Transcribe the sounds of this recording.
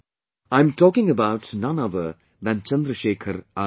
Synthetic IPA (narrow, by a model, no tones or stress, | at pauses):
ãɪ̃mtʰɔːkɪ̃ŋəbaʊtnʌ̃nʌðə | ðæ̃nt͡ʃʌ̃nd̪ɾəʃeːkʰəɾa